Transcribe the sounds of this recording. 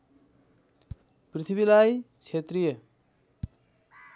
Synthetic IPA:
pɾit̪ʰibilajt͡ʃʰet̪ɾijə

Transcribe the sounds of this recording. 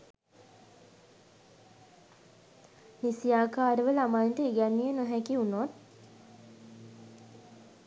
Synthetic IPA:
nisijaːkaːɾəʋəlamant̪əiɡænːijənoɦækiunoːn

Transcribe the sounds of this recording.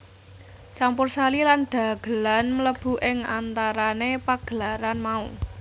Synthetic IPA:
t͡ʃampʊrsalilanɖ̪̥a̤ɡ̥ə̤lanmələb̥ṳʔɪŋa̰nt̪aɾanepaɡ̥əlaɾanmau

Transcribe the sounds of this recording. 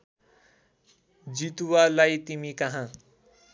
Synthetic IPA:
d͡zit̪uwalajt̪imikʌɦã

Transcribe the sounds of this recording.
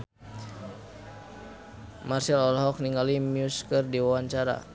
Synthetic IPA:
marsɛlɔlɦɔk̚niŋɡalimjuskərdiwawaɲt͡ʃaɾa̰

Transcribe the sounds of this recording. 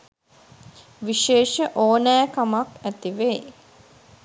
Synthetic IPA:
ʋiʃeːʃəʔoːnæːkamakæt̪iʋe

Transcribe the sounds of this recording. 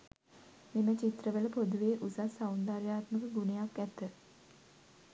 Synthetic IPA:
mimət͡ʃit̪rəʋələpod̪uʋeːʔusasawund̪aːɾjaːt̪məkəɡunəjakːæt̪ə

